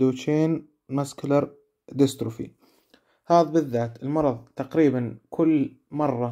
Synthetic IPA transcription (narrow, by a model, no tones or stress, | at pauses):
d̪uːt͡ʃeːn | masklɑɾˤ | d̪ɪst̪ɾʊfḭ | haːðbɪðːaːt̪ɪlmɑɾˤɑðˤt̪aqɾiːbankʰʊlː | mɑrˤːɑ